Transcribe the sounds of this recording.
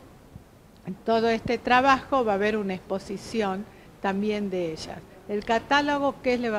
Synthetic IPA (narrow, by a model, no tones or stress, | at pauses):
t̪o̞ðoest̪et̪ɾaβ̞axo̞βaːβeɾunaespo̞sisjo̞n | t̪ambje̞nd̪eeʒa̰s | elkat̪aloɣokesleβ